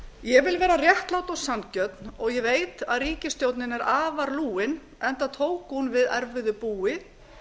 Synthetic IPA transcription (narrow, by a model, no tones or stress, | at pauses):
jɛvɪlvɛːɾarjɛht̪lawt̪ɔɣsancœt̪nɔɣjɛveːjt̪aðriːcɪst̪jowt̪nɪnɛɾaːvaɾluːɪn | ɛnt̪aðt̪ʰoːwkhunvɪðɛ̰ɾvɪðʏpuːɪ